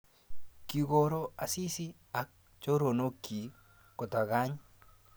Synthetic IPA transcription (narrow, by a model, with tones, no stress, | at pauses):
ki˨ɣo˨ɾo˦a˨si˦si˦ | a˨k̚ | t͡ʃo˦ɾo˨no˦kːi˨ | ko˨ta˨ɣa˦ɲ